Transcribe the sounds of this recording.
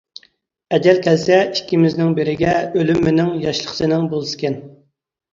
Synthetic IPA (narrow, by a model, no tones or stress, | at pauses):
ɛd͡ʒɛlkʲʰɛlsɛikʲʰːimɪznɪŋbɪɾɪɡʲɛølymːɪnɪŋjɑʃlˠə̥qʰə̥sɨnɪŋbolˠɨskʲɛn